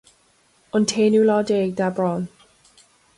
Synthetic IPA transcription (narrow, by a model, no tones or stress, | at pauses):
ɔntʰenjulɔdek̚d̥abɹɔn